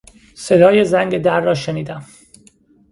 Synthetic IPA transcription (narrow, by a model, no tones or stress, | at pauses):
se̞d̪ɒːjezæŋɟed̪æɾːɒːʃeniːd̪æm